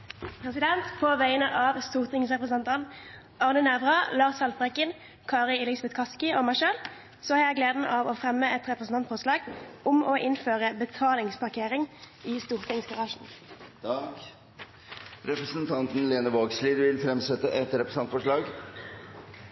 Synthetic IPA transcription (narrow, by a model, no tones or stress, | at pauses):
pʰʁɛsɪd̪ɛnt̪pʰoːʋæɪənəʔɑːʋst̪uːʁt̪ɪŋsʁɛpʁəsənt̪ɑn | ɑʁnənɛʋʁɑlɑːʁsɑlfpʁɛkən | kʰɑːʁəɪlɪsbɛt̪kʰɑskɪoːmæɪʃøːl | sɔhɑːʁjæɪɡleːd̪n̩ʔɑːʋoːfʁɛmːəɛt̪ʁɛpʁsn̩ʰɑnt̪fɔʁslɑːɡʊmoːʔɪnføːʁəbət̪ʰɑːlɪŋspʰɑʁkʰeːʁɪŋ | iːst̪uːʁt̪ʰɪŋsɡɑʁɑːʂn̩ | ɾɛpɾəsənt̪ʰɑnt̪n̩leːnəʋoːɡsliːd̪ʋɪlfɾɛmsɛt̪ːəʔɛt̪ɾɛpɾəsɑnt̪fɔʂɭɑːɡ